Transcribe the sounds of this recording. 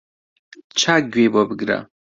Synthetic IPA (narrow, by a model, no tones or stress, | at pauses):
t͡ʃʰaːɡwebobɨɡɾa̰